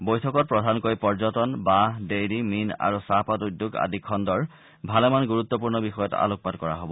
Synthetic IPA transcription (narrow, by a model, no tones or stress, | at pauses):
bojtʰɔkɔt̚pɹɔdʱankojpɔɹzɔtɔnbadejdimina̰ɹusapɔtudːjuɡa̰dʱikʰːɔndɔɹ | bʱalɛmanɡuɹut̪ːɔpuɹnɔbixɔjɔta̰lok̚padkɔɹa̰ɦobɔ